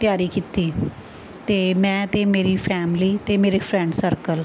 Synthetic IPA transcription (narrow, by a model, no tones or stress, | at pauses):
t̪jaːɾiːkiːt̪iː | t̪eːmɛ̃ːt̪eːmeːɾiːpʰɛːmliːt̪eːmeːɾeːpʰɾɛ̃ɳɖsəɾkəl